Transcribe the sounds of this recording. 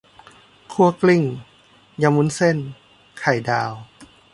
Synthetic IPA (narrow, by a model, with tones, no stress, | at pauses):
kʰu˧əkli˧˩˨ŋ | ja˧˩mu˧˥˨nse˧˥˨n | kʰa˨˩jdaː˧w